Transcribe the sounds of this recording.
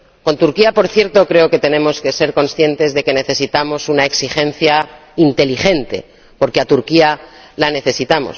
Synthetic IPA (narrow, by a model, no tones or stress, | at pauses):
ko̞nt̪uɾkiapo̞ɾθje̞ɾt̪o̞kɾe̞o̞ke̞t̪e̞nẽ̞mo̞ske̞se̞ɾko̞nsθje̞nt̪e̞zðe̞ke̞ne̞θe̞sit̪amo̞sunaeksixẽ̞n̟θja | int̪e̞liχe̞nt̪e̞̰ | po̞ɾkeat̪uɾkia | lane̞θe̞sit̪amo̰s